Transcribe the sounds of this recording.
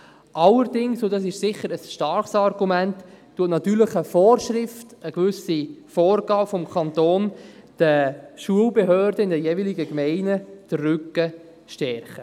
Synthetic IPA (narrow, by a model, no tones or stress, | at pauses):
ʔɑlːəɾdɪŋsodɑːs̬ɪʃsɪχːəɾəsʃtɑrχsɑrɡ̥umæntː | uətnɑt̪yːɾləχəfɔːrʃɾɪftəɡvʏsifɔːrɡɑːbfɔmkʰɑntoːnd̥əʃuəlbeɦøːɾdəɪndɛjeviliɡəkmɛɪnəd̥ərːʏkːə | ʃtɛrχə